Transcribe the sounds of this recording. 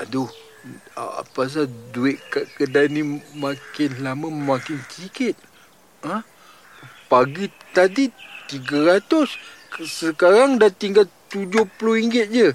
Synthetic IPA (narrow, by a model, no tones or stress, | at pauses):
ado | a̰a̰pas̬aduɪʔkaʔkədanĩmakɪnlamə̃makɪnsəikɪt̪̚ | a | paɡit̪adit̪iɡəɾat̪ʊs | səkaɾaŋdat̪iŋɡalt̪ud͡ʒʊhplʊɾiŋɡɪt̪̚d͡ʒə